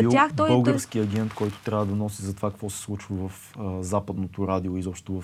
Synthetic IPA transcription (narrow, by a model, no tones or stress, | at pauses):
iaxɔbɤlˠɡəɾsk̟iɐɡʲɛnt̪kɔjt̪o̥t̪ɾʲavəd̪ɐnɔsizɐt̪ovakə̥kvɔsɛ̥slˠut͡ʃvəvɐf | zapəd̪not̪oɾad̪ioizɔpʃt̪t̪ovɐf